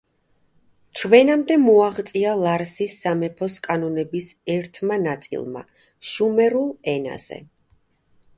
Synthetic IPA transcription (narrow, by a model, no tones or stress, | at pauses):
t͡ʃʰwɛnamd̪ɛmɔaʁt̪sʼialˠaɾsisːamɛpʰɔskʼanɔnɛbisɛɾt̪ʰmanat̪sʼḭlˠma̰ | ʃumɛɾulˠɛna̰z̥ɛ̰